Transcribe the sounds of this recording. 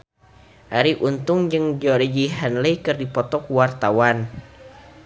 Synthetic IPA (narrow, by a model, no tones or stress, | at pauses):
ʔaɾiʔunt̪ʊŋd͡ʒɨŋd͡ʒiolɔd͡ʒiɦanlejkɨrdipɔt̪ɔkuwart̪awan